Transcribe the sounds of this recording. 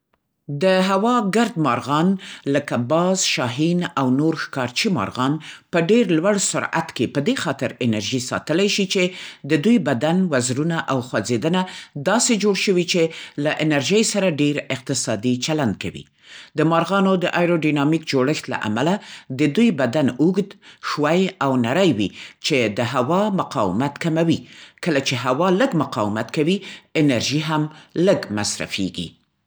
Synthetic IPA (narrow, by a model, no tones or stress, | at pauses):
d̪əɦawɑɡaɾd̪mɑɾɣɑnləkabɑzʃɑɦinawnoɾxkɑɾt͡ʃimɑ̰ɾɣɑnpəɖeɾlwaɽsʊɾa̰t̪kepəd̪exɑt̪ɪɾɪnaɾʒisɑ̰t̪əlajʃit͡ʃed̪əd̪ujbad̪anwazɾunaʔawxwad͡zed̪ənad̪ɑsed͡ʒoɽʃəwit͡ʃelaʔɪnaɾʒəjsaɾaɖeɾɪq̚t̪ɪsɑd̪it͡ʃaland̪̚kawḭ | d̪əmɑɾɣɑnod̪əʔajɾoɖinɑmikd͡ʒoɽəxt̪la̰ʔa̰malad̪əd̪ujbad̪anuɡd̪ʃwajawnaɾəjwit͡ʃed̪əɦawɑmʊqɑ̰wɪ̰mat̪kamawikəlat͡ʃeɦawɑləɡmʊqɑwɪmat̪kawiɪnaɾʒiɦamləɡma̰sɾa̰fḛɡḭ